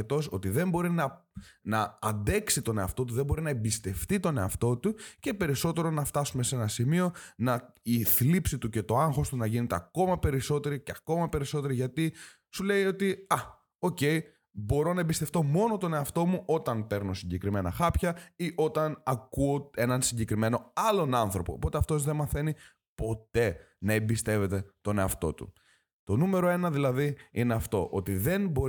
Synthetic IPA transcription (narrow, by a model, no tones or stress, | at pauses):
et̪o̞so̞t̪iðe̞mbo̞ɾinɐnɐɐnd̪e̞ksit̪o̞ne̞ɐ̰ft̪o̞t̪̬uðe̞mbo̞ɾinɐebist̪e̞ft̪it̪o̞ne̞ɐft̪o̞t̪uce̞pe̞ɾiso̞t̪e̞ɾo̞nɐft̪ɐsume̞senɐsimio̞nɐiθlipsit̪uce̞t̪o̞ɐŋxo̞st̪unɐʝinet̪e̞ɐko̞mɐpe̞ɾiso̞t̪e̞ɾice̞ɐko̞mɐpe̞ɾiso̞t̪e̞ɾiʝɐt̪i | sule̞jo̞t̪iɐ | o̞ce̞j | bo̞ɾo̞nɐebist̪e̞ft̪o̞mo̞no̞t̪o̞ne̞ɐft̪o̞muʔo̞t̪ɐnpe̞ɾno̞siɲɟe̞kɾime̞nɐ̰xɐpçɐiʔo̞t̪ɐnɐkuoe̞nɐnsiɲɟe̞kɾime̞no̞ɐlo̞nɐnθɾo̞po̞̰ːpo̞t̪eɐft̪o̞zðe̞nmɐθe̞ni | po̞t̪e̞ | nɐebist̪e̞ve̞t̪e̞t̪o̞ne̞ɐft̪o̞̰t̪ṵ | t̪o̞nume̞ɾo̞e̞nɐðilɐðiine̞ɐft̪o̞ʔo̞t̪iðe̞nbo̞